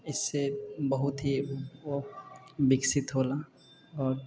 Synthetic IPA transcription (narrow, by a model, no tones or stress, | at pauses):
ɪsːebɐɦʊt̪ɦiobɪksɪt̪ɦoːla | ɔːɾ